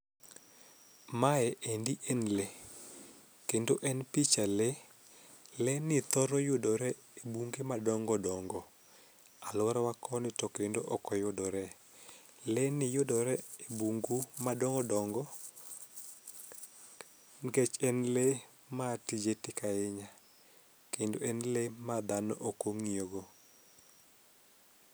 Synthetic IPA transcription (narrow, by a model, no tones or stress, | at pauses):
maɛʔendiʔenle | kendoʔɛnpit͡ʃale | lɛnɪt̪ɔɾɔjʊdɔɾɛebuŋɡemadɔŋɡɔdɔŋɡɔ | alʊaɾwakɔnɪtɔkendoʔɔkɔjʊdɔɾɛ | lɛnɪjʊdɔɾɛebuŋɡumadɔŋɡɔdɔŋɡɔ | ŋɡet͡ʃɛnle | matid͡ʒetɪkaɪɲa | kendoɛnlemad̪anɔʔokoŋioɡo